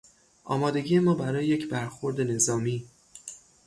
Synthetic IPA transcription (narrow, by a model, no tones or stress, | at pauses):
ʔɒ̰ːmɒːd̪e̞ɟiːje̞mɒːbæɾɒːjejecʰbæɾxoɾd̪ene̞zɒːmiː